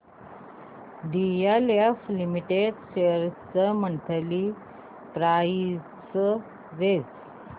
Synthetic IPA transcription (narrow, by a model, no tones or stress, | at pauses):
ɖijaleflimiʈeɖɕeɾt͡səməɳʈ̪ʰəli | t̪ɾai | sə | ɾet͡s